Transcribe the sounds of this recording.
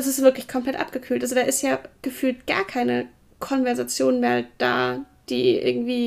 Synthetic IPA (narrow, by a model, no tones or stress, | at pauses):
ɛsɪstv̥ɪɐklɪçkʰɔmpl̥ɛtʔa̰p̚ɡ̥əkʰyːltʔalzod̥aːʔɪstjaːɡ̥əfyːltɡ̥a̰ːɐkʰaɪnə | kʰɔnvɛɐzat͡sjoːnmeːɐd̥a̰ː | d̥iːʔɪ̰ɐɡŋ̩tv̥iː